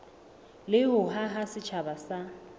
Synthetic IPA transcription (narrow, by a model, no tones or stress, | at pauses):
lɪɦʊɦaɦasɪt͡ʃʰabasa